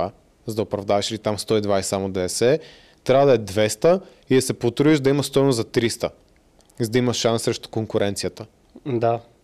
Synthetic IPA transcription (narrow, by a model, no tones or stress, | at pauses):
a | zɐd̪ɐʊpɾɐvd̪avɐʃilit̪amst̪ɔid̪vajssamod̪ɛɛsɛ | t̪ɾʲavəd̪ɐɛd̪vɛst̪ə | id̪ɐsɛpot̪ɾuiʒd̪ɐiməst̪ɔbnozɐt̪ɾist̪ə | izd̪ɐimɐʃʃansːɾɛʃt̪ʊ̥koŋkʊɾɛnt̪sijət̪ə | d̪a